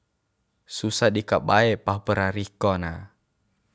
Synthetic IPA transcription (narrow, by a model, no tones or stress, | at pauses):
susadikabaɛpahpəɾaɾikɔna